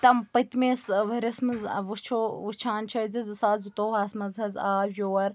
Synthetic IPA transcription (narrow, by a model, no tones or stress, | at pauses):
t̪ɐmpɐt̪meːsʋɐɾʲɐsmɐz̰ʋut͡ʃʰoːʋut͡ʃʰaːnt͡ʃʰɐzizɨsaːzut̪oːɦaːsmɐzɦɐzaːjoːwɐɾ